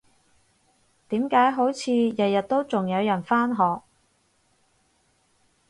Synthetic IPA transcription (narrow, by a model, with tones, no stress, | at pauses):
t̪iː˨˥mkaː˨˥jɦo˨˥wt͡sʰiː˨˧jɐ˨t̚jɐ˨t̚t̪o˥wt͡sʊ˨ŋjɐ˨˧wjɐ˨˩nfaː˥nɦɔː˨k̚